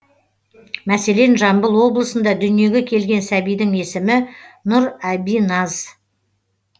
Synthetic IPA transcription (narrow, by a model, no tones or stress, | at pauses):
mæse̞le̞nʒɑmbəlˠwo̞blˠəsənd̪ɑd̪ʏnije̞ɡʲe̞kʲʰe̞lɡʲe̞nsæbijd̪ɪŋe̞sɪmɪnʊɾæbijnɑz